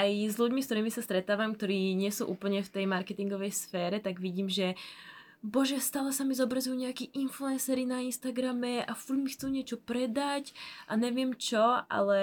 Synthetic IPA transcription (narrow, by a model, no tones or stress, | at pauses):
ajzʎuɟmiskt̪ɔɾiːmisast̪ɾɛt̪aːʋamkt̪ɔɾiːɲɪɛsuːʔṵːpl̩ɲɛft̪ɛjmaɾkɛt̪iŋɡɔʋɛjsfɛːɾɛt̪aɡʋiɟiːmʒɛ | bɔʒɛst̪aːlɛsamizɔbɾazujuɲɛakiːʔinfluɛnsɛɾinainst̪aɡɾamɛafuɟmixt͡suːɲɪɛt͡ʃɔpɾɛd̪acʔaɲɛʋɪɛmt͡ʃɔa̰lɛ